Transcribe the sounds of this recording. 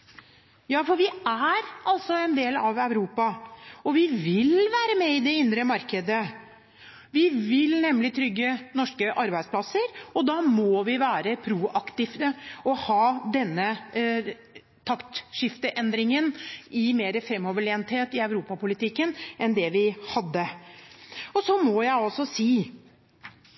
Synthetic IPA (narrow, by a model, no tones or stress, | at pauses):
jɑːfɔɾʋɪæɾɑlsɔɛnd̪eːlɑʋœʉɾuːpɑɔʋɪʋɪlʋæːɾəmɛɪd̪ɛɪnd̪ɾəmɑɾkəd̪ə | ʋɪʋɪlnɛmːlɪt̪ʰɾʏɡːənɔʂkəʔɑɾbæɪspʰlɑsəɾɔd̪ɑːmɔʋɪʋæːɾəpʰɾuːʔɑkt̪ɪft̪əɔhɑːd̪ɛnːə | t̪ʰɑkt̪ʂɪft̪əʔɛnd̪ɾɪŋənɪmeːɾəfɾɛmːɔʋəɭeːnt̪heːt̪ɪœʉɾuːpɑpʊlɪt̪ɪkːənʔɛnd̪ɛʋɪhɑd̪ːə | ɔsɔmɔjæɪɔsɔsiː